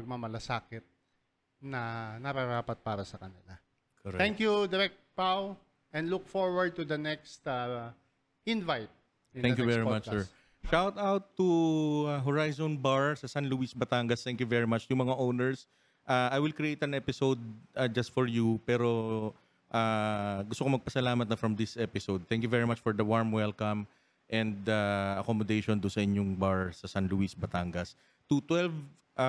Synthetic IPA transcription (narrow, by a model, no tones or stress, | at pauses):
ɐɡ̚mamɐlɐsaːkɪt̪̚ | nɐnɐɾaɾaːpɐt̪̚paːɾɐsɐkɐnɪla | kʰɔɾɛt̪ɛ̃ŋkjud̪ɛɾɛk̚t̪̚paw | ɛ̃nd̪lʊk̚fɔɹwɐɹd̪̚t̪ʊd̪ɐnɛkst̪a | ɪnvajt̪̚ | ɪɛ̃ŋkjuvɛɹimat͡ʃːɛɹ | ʃawt̪awt̪ːuaɦɔɹajzonbaɹsɐsanluisbɐt̪aŋɡɐst̪ɛ̃ŋkjuvɛɹɪmat͡ʃjʊŋmɐŋaʔownɛɹs | ʔaajwɪlkɾɪʔejt̪ɐnʔɛpɪsowd̪̚ɐd͡ʒɐst̪fɔɹjupɛɾo̞ | ʔaɡʊst̪okomɐɡ̚pɐsɐlaːmɐt̪̚nɐfɹɐmd̪ɪsʔɛpɪsowd̪̚θɛ̃ŋk̬juvɛɹɪmat͡ʃfɔɹd̪ɐwaɹmwɛlkɐm | ʔɛ̃nd̪aɐkomod̪ejʃond̪ʊnsɐʔɪɲjoŋbaɹsɐsanluisbɐt̪aŋɡɐs | t̪ut̪wɛlv | ʔa